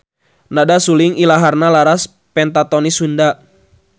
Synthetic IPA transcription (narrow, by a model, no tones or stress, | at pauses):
nadasuliŋilaɦarnalaɾas | pɛnt̪at̪ɔnisunda